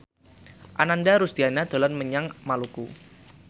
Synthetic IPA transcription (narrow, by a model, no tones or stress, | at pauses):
ʔanandaɾusd̪̥ianad̪̥o̤lanməɲaŋmalukṵ